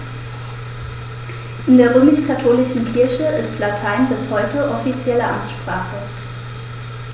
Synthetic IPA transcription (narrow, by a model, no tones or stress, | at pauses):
ʔɪndeːɐʁ̞øːmɪʃkʰatʰoːlɪʃn̩kʰɪɐçəɪstlatʰaɪnbɪshɔʏtəʔɔfit͡sjɛləʔa̰mt͡sʃpʁ̥aːχə